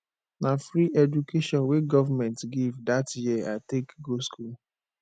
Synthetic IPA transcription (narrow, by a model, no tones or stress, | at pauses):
nafɾiʔɛdukʰeʃɔ̃nweɡɔvamɛ̃ntɡivdatjiatekɡoskʰul